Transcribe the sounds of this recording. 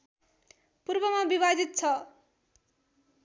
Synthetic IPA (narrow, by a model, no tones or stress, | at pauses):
purbʌmabibad̪it̪̚t͡sʰʌ